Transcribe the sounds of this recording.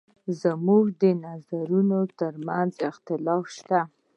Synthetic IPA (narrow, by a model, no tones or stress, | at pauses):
zəmuɡd̪ənazaɾunot̪əɾmanzɪxt̪ɪlɑfʃt̪a